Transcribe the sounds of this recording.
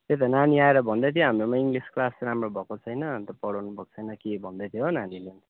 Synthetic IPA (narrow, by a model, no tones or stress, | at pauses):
t̪et̪̬ʌnaniaeɾʌbʱʌnd̪ʌt̪ʰjõɦamromaiŋɡlisklasramrobʱʌkot͡sʰʌjnʌmit̪ʌpʌɽʌwnupʌk̚t͡sʰʌjnʌkebʱʌnd̪ʌt̪ʰjonanilen